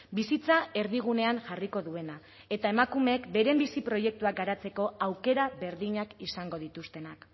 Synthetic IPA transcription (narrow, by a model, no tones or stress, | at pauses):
bisit͡sae̞ɾðiɣ̞une̞aŋʝariko̞ðue̞na | e̞t̪ae̞makume̞kbe̞ɾe̞mbisipɾo̞je̞k̚t̪uak̚ɡaɾat͡se̞ko̞awke̞ɾaβe̞ɾðiɲakisaŋɡo̞ð̞it̪ust̪e̞nak